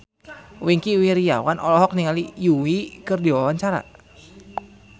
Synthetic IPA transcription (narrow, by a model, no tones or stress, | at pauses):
wiŋkiuwiɾija̰wanʔɔlɔɦɔk̚niŋalijuwikɨrdiwawaɲt͡ʃaɾa̰